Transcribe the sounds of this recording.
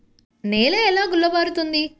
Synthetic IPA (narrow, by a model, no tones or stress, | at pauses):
neːleːɛlaːɡulːɐbaːɾut̪und̪i